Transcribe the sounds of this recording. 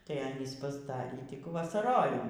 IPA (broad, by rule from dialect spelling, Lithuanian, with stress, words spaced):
tɐɪ ˈɑːnʲiːs pɐzˈdɑːrʲiː ˈtʲɪk ʋɐsɐˈroːjɪmʊɪ